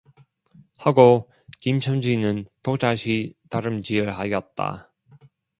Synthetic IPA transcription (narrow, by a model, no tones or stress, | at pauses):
haɡo | kimt͡ɕʰʌmd͡ʑinɯntod͡ʑaɕʰitaɾɯmt͡ɕiɯɭɦajʌt̚t͈a̰